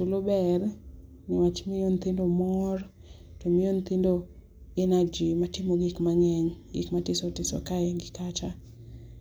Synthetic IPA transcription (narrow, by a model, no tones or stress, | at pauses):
tolobɛr | nɪwat͡ʃmɪjont̪indomɔr | tɔmɪjont̪indo | ɛnad͡ʒimatɪmoɡɪkmaŋɛŋɡɪ̰kmatɪsotɪsɔ̰kaɛɡɪkat͡ʃa